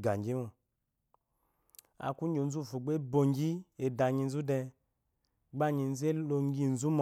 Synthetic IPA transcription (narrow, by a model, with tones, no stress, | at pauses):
ɡa˨ŋ˨ɡi˦mu˨ | a̰˨ku˦d͡ʒo˧˨n̩˦zu˦˨fu˨ɡ͡be˦bo˧ŋ˦ɡi˦e˧˨da˨ɲi˧n̩˦zu˦dɛ˧ | ɡ͡ba˦ɲi˧n̩˦ze˦lo˧ŋ˦ɡi˦˨n̩˨˦zu˦mɔ˨